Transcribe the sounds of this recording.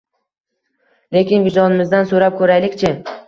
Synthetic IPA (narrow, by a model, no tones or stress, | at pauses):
le̞kʲɪnbʊd͡ʒɒnɪmɪzd̪ansɵɾap̚kʲʰɵɾajlɪkʲt͡ʃʰɪ